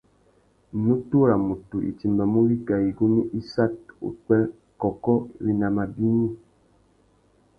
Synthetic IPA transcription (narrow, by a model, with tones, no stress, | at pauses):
nu˦tu˦ɾa˨mu˨tu˨ʔḭ˨ti˨mba˨mu˦wi˦ka˨i˨ɡu˦ni˦ʔi˦sa˦t̚ṵ˨kwɛ˦ | kɔ˨kɔ˦wi˦na˨ma˨bi˦ni˦